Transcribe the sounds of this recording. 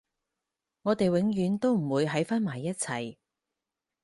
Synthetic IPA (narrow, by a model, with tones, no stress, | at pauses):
ŋɔː˨˧t̪e˨jwɪ˨˥ŋjyː˨˥nt̪o˥wm̩˨˩wuː˨˧jɦɐ˨˥jfaː˥nmaː˨˩jːɐ˥t̚t͡sʰɐ˨˩j